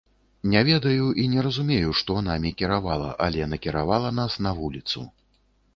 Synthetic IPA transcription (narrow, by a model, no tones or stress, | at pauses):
nʲɛvʲɛd̪ɐjuʔinʲɛɾɐzumʲejuʂt̪ɔnamʲikʲiɾavalˠɐ̰ʔɐlʲɛnɐkʲiɾavalˠɐnasnɐvulʲit̪sṵ